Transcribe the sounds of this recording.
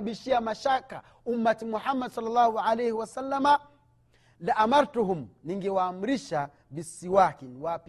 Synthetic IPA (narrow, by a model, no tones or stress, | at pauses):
ɓiʃiamaʃaka̰ | umːatimuħamːadsɔlːalːaːhuʕalahiwasalːama | liʔamaɾtuɦumniŋɡɛwaːm̩ɾiʃa | bisiwakiniwap